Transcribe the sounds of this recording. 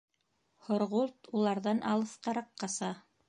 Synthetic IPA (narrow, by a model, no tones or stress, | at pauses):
hŏɾʁulˠt̪ulˠɑɾðɑnʔɑlˠɤ̆θqɑɾɑqːɑsɑ